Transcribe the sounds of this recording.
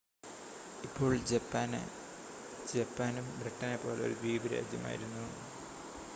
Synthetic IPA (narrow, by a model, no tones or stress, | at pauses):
ipːo̞ːɭd͡ʑɐpːaːn̰ | d͡ʑepːaːnumbrɨʈːɐnepːo̞ːleo̰ɾud̪iːbiɾa̰ːd͡ʑjɐ̰ma̰ːjḭɾunːuoɳɖɨ